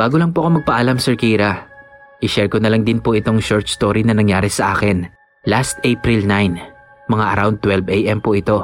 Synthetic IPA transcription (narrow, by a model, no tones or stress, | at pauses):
b̥aːɡolɐŋpoɐkomɐɡ̚pɐʔalamsɛɹkijɾɐʔɪʃɛɹkonɐlɐŋd̪ɪnpoʔɪt̪o̞ŋʃɔɹt̪st̪oːɾinɐnɐŋjaːɾɛsɐʔaːkɛn | last̪ʔejpɾilnajn | mɐŋaʔɐ̰ɾawnd̪̚t̪ːwɛlbɛjʔɛmpoʔɪt̪o̞